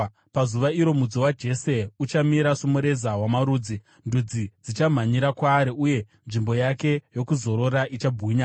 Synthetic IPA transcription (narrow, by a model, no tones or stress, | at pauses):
pazuʋaiɾo̞mud͡zowad͡ʒe̞se̞ut͡ʃamiɾasomoɾe̞zawamaɾuːd͡zi | ndud͡zid͡zit͡ʃam̤aɲiɾakwaːɾiuje̞ | nʐimbo̞jake̞jo̞kuzo̞ɾo̞ɾaʔit͡ʃabʱuːɲa